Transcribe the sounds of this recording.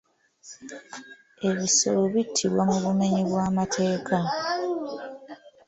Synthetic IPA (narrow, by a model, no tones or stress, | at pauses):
e̞βiso̞̰lo̞βitʰːiβwamuβume̞ɲiβwaːmatʰe̞ːka